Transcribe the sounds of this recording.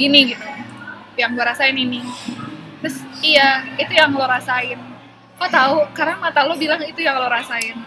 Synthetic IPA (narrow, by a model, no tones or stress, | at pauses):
ɡiniɡit̪u | jaŋloɾasaɪnini | t̪ɾʊsijait̪ujaŋloɾasaɪn | ɔt̪aukaɾaŋmat̪alobilaŋit̪ujaŋloɾasaɪn